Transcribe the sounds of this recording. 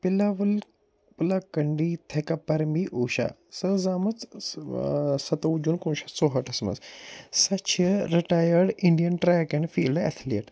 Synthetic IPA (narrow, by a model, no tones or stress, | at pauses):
pɪlaːʋɐl | pɨlakɐɳɖit̪ʰekɐpːɐɾmiʔoːʃa̰səzaːmɐt͡s | sɐt̪ɐud͡ʒuːnkuːnʃasoːɦɐʈʰɐsmɐ̰ssɐt͡ʃʰəɾiʈaːjɐɾɖiɳɖijɐnʈɾɛːkenfiːlɖɛ̰t̪ʰliːʈ